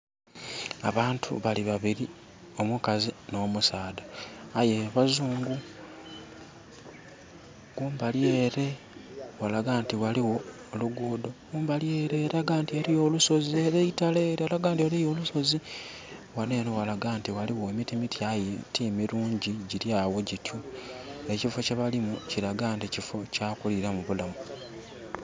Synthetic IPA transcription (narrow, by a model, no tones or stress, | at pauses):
a̰βaːntʰṵβaliβaβiɾi | o̞mukazino̞ːmusaːdaːje̞βazuːŋɡu | ɡuːmbaljeːɾe̞ | walaɡaːntiwaliwo̞ː | luɡuːdo̞ɡuːmbaljeːɾeːɾaɡaːntieɾijo̞ːluso̞zie̞ɾeitaleɾwalaɡaːntiwalejo̞ːluso̞zi | wane̞ːnowalaɡaːntiwaliwoemitimitjajetʰimiɾuːɲɟiɟiɾjawo̞ɟitʰue̞cifo̞caβalimuciɾaɡaːnticifo̞cakuliɾamuβulamu